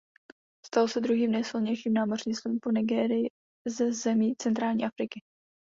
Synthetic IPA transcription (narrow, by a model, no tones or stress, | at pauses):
st̪alosɛd̪ɾuɦiːmnɛjsɪlɲɛjʃiːmnaːmorɲiːslumponɪɡɛːɾɪjɪ | zɛzɛmiːt͡sɛnt̪ɾaːlɲiːʔafɾɪkɪ